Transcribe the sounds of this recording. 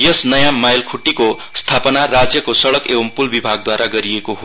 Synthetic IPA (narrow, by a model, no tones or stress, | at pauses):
jʌsnʌjãmajlkʰuʈːiko | st̪ʰapʌnarad͡zjʌkosʌɽʌkebʌmpulbibʱaɡ̚d̪waɾaɡʌɾiekoɦo